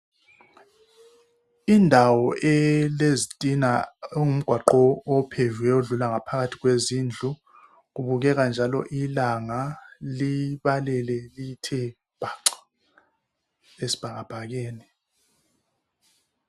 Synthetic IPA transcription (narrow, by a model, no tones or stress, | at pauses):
indʱawɔɛlezitʼinaŋum̩ɡ̥ʱwaǃɔɔpʰevuɛoɮulaŋapʰaɣatʰiɣwezind͡ɮʱu | ɣuβuɣ̬ɛɣand͡ʒʱalɔ̰ʔilaŋaliɓalɛlɛlitʰɛ | b̥ʱaǀḁ | esi̥b̥ʱaɣab̥ʱaɣ̬ɛːni